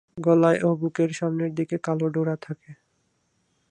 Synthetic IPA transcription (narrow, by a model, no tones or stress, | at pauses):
ɡɔlaeʔobukeɾʃamneɾd̪ikekaloɖoɾat̪ʰake